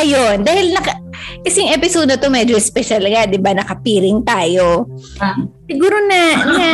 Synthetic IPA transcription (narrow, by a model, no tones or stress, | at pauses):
ɐjond̪aːhɪlnɐkɐkɐsɛjʊŋʔɛpɪsod̪ɐt̪o̞mɛːd͡ʒoʔɪspɛʃɐlŋad̪ɪbanɐkɐpiːɾɪŋt̪aːjo̞ | sɪɡuːɾo̞nɐna